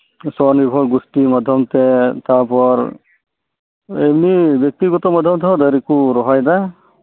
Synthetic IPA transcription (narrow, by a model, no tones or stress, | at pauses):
sɔnibʱɔɹɡustimadʱjɔmtɛtaɹpʰɔɹ | ebnibɔk̚tiɡɔtɔmadʱjɔmtʰɔɔdaɾikuɾɔɦɔjda